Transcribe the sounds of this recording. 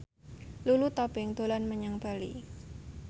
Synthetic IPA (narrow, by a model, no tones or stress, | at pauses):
lulut̪ɔbɪŋd̪̥o̤lanməɲaŋb̥alḭ